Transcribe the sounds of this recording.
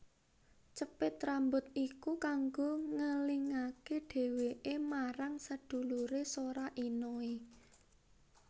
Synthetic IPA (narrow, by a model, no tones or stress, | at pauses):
t͡ʃəpɪt̪ːɾambʊt̪̚ikukaŋɡoŋəliŋakeɖ̥e̤weʔemaɾaŋsəd̪̥ṳluɾesoɾaʔinoi